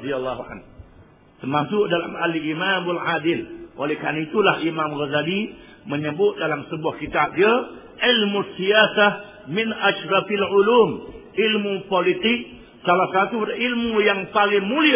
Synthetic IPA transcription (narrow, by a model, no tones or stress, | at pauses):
d̪ialːaɦua̰n | t̪ərmasʊk̚dalamalimamalʕadɪlʔolɛhkanait̪ulahimamɣazadi | məɲəbʊt̪̚dalamsəbuahkit̪ap̚diə | ʕilmusːijasa | mɪnʔaʃɾɑfalʕuluːmʔilmupolit̪ɪk̚ | salahsat̪uilmujaŋpalɪŋmuli